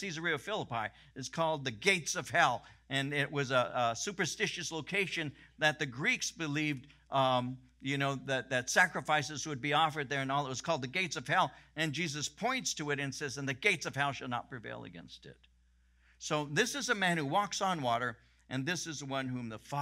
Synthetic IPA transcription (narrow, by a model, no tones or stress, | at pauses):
sizə˞iɨfɪlˠəpaɪ | ɨz̥kʰɔlˠd̪̚ðɨɡeɪtsʌv̥ɦɛlˠɨ̃nɪʔwʔʌzəsʉpə˞stɪʃɨsloʊkʰeɪʃɨ̃nðɨt̪̚ðɨɡɹiksb̥ɨliv | jɨnoʊðɨt̪̚ðɨtsækɹɨfaɪsɨz̥wəd̚biɔfə˞d̪̚ðə˞ɨ̃nɔlˠət̚wʌz̥kʰɔlˠd̪̚ðɨɡeɪtsʌv̥ɛlˠɨ̃nd͡ʒizɨspʰɔ̃ɪ̃ntstʰɨɨɾɨ̃nsɛzɨ̃nðɨɡeɪtsʌv̥ɦɛlˠʃɨlˠnə̰t̚pʰɹ̥ɨvḛɪlˠə̰ɡɛ̰̃nstɪ̰t̚ | soʊðɪsɨzəmæ̃nhuwɔksn̩wɔɾə˞ | ʔɨ̃nðɪsɨzəwʌ̃nhũmðəfɑ